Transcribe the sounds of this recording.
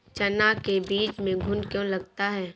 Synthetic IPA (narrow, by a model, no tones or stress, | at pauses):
t͡ʃɐnakebiːt͡ʃmẽɡʱʊnkjõlɐɡ̚t̪aɦɛː